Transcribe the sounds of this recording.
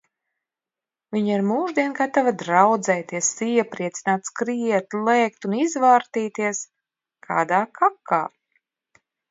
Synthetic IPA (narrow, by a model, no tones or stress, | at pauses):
viɲiɾmuːʒd̪iɛnkat̪avad̪ɾawd̪zɛjt̪iɛsiɛpɾiɛt̪sʲinaːt̪skɾiɛt̪lˠɛːkt̪unizvaːɾt̪iːt̪iɛs | kʰa̰ːd̪aːkʰakʰːa̰ː